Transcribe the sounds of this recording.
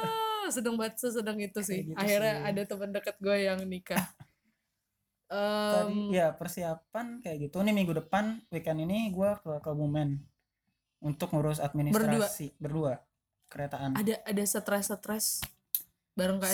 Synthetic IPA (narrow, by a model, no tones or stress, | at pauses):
sədəŋbat̪̚səsədəŋit̪us̬ɪhɡiahirɲaːdat̪əməndəkət̪̚ɡuajaŋnika | əd͡ʒdijapərsiapankajaʔɡit̪unimiŋɡudəpanwikaniniɡuakəkobumɛn | unt̪ʊkŋuɾʊs̬at̪̚minisbətrɾaduasibərdua | kəɾet̪aʔanadaʔadasət̪ɾɛsət̪ɾɛs | baɾəŋka